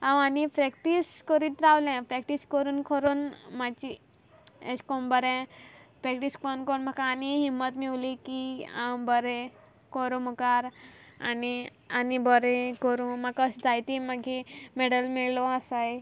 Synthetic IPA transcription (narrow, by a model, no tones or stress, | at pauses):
ãwanipɾɛkʈiskəɾit̪ɾawlɛ̃pɾɛkʈiskəɾuːnkʰɔɾuːnmat͡ɕi | eskɔmbəɾɛ̃pɾɛkʈiskɔɾunkəɾuːnm̤akaːniɦimːət̪miʋlikiã̰wbəɾe | kɔɾũmukaɾani | anibəɾekəɾũmakəsd͡zajt̪imaɡʱimeɽəlmiɭlɔasaj